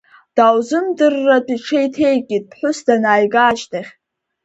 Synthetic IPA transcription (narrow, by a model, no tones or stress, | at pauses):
d̥awzɨmdɨrːatʼiʈ͡ʂʰe̞jtʰe̞jɡʲʼid̚pʰħʷʊsdanaːjɡaːʃtʰaχʲ